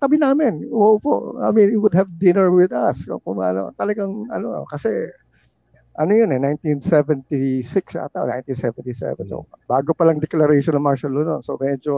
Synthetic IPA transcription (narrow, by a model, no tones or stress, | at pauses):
t̪ɐbɪnaːmɪnwowpo̰ʔa̰miniwʊd̪̚hɐvd̪ɪnɐɹwɪd̪ɐskokʊŋa̰ːno̰t̪ɐlɐɡaŋɐ̰no̰kɐsɛ | ʔɐnojonɛnajnt̪insɛvɛnt̪isɪksa̰t̪aʔo̰na̰jnt̪insɛvɛnt̪isɛ̰vɛ̰nt̪o̰baːɡopɐlaŋd̪ɛklɐɾɛjʃɔnɐŋmaɹʃɐlononsomɛd͡ʒo